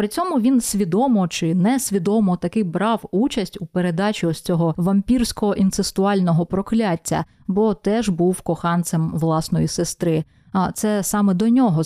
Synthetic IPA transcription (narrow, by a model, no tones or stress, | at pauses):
pɾɪt͡sʲɔmʊʋʲinsʲʋʲid̪ɔmɔt͡ʃɪnɛsʲʋʲid̪ɔmɔt̪ɐkɪbɾɑwut͡ʃɐsʲtʲupeɾe̞d̪ɑt͡ʃʲiɔst͡sʲɔɦɔʋɐmʲpʲirsʲkɔɔʔint̪sest̪ʊɑlʲnɔɦɔpɾɔklʲatʲːɐ̰ | bɔt̪ɛʒbuwkɔxɑnt̪sɛmʋlˠɑsnɔjisest̪ɾɪ | ɐt̪sɛsɑmɛd̪ɔnʲɔɦɔ